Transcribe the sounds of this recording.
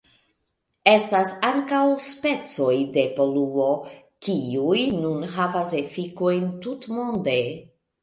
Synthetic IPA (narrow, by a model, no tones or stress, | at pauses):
e̞stasaŋkawspe̞t͡so̞jde̞po̞luo̞ | kiujnunɦavase̞fiko̞jntutmo̞nde̞